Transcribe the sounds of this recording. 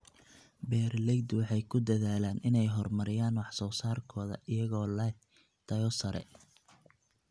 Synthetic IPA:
bɛːrlɛɡd̪wɑħɑjkʰʊd̪ɐðaːlaːnʔɪnɛjɦɔrmɐɾɪjaːnwɑħsɔːsaːrkʰɔːðɐ̰ʔɪjɐɣɔːlɐ | t̪ʰɐjɔsɐɾɛ̰

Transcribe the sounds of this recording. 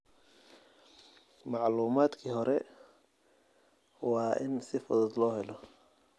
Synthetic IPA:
mɑʕluːmaːd̪kʰiːɦɔɾɛ | wɑːʔɪnsɪfʊ̰ðɔd̪lɔːɦɛlɔ

